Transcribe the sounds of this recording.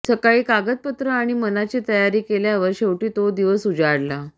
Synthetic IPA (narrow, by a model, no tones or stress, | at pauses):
səkaɭiːkaɡət̪̚pət̪ɾəaɽ̃imənat͡ɕit̪əjaɾiːkeljaʋəɾɕewʈiːt̪od̪iʋəsud͡zaɽla